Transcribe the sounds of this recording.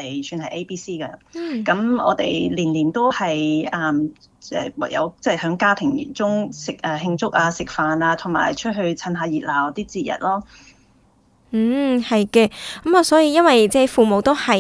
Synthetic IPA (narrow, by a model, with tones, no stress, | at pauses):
e˨jsʰyː˧nhɐ˨jʔe˥jpiː˥siː˥kɐ˧˥kɐ˨˥mɔ̰ː˨˧t̪e˨jliː˨˩nliː˨˩nt̪o˥whɐ˨jʔɐː˧˩m | ɛ̰ː˧˩wa̰˨˩jɐ̰˨˧wt͡sɛː˥˩hœː˨˥ŋkaː˥t̪ʰɪ˨˩ŋ˨˩t͡sʊ˥ŋsɪ˨k̚ʔɐː˧˩ɦɪ˧ŋt͡sʊ˥k̚aː˧sɪ˨k̚faː˨naː˧t̪ʰʊ˨˩ŋma̰ː˨˩jt͡ʃʰɵ˥t̚ɦɵ˧ɥt͡sʰɐ˧nɦaː˧jiː˨t̚laː˨˩wɔ˨˧˥t̪iː˥t͡siː˧jɐ̰˨t̚lɔː˥˩ | hɐ˨jkɛː˧kɐ˨˥mɔ˨˧sɔː˨˥jiː˧jɐ˥nwɐ˨jt͡sɛ˥˩fuː˨mo˨wt̪o˥whɐ˨˩